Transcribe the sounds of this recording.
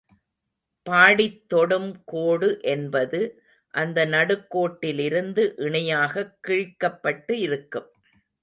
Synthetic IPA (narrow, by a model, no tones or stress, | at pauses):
paːɽɪt̪ːɔɽɯmkoːɽɯʔɛnbɐðɯ | ʔɐnd̪ɐnɐɽɯkːoːʈːɪlɪɾɯnd̪ɯʔɪɳɐjaːɣɐkːiɻkːɐpːɐʈːɯɪɾɯkːɯm